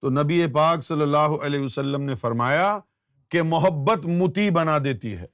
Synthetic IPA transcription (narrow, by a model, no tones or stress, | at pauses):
t̪onɐbiepaːksɐlːəlːaːɦoʔɐleːɦʋəsɐlːəmnefɐɾmaːja | kemʊɦəbːət̪mʊt̪ibɐnad̪eːt̪ḭɦɛ̰ː